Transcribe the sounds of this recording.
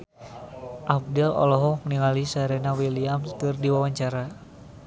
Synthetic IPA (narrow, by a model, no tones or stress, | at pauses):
ʔaf̚dɛlɔ̰lɔɦɔmniŋalisaɾɛnawiliamskɨrdiwawaɲt͡ʃaɾa